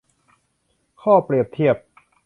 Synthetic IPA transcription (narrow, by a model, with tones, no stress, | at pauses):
kʰɔː˥˩pɾi˨˩əp̚t̪ʰi˥˩əp̚